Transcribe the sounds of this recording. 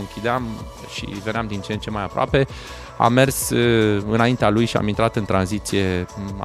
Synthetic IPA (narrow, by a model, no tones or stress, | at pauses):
ɨŋkʲid̪eam | ʃḭve̞neamd̪int͡ʃent͡ʃe̞majapɾoa̰pe̞ | a̰mːe̞rsɨnaint̪ealujʃia̰mint̪ɾat̪ɨnt̪ɾanzit̪sije̞̰